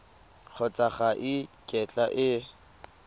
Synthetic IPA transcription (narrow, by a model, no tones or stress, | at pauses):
k͡xʰɔt͡sʼaχaʔɪkʼɛt͡ɬʼaʔɪ